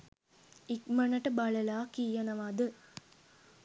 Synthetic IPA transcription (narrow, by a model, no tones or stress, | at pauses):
ikmɐnɐʈəbɐɭɐlaːkijɐnɐʋad̪ɨ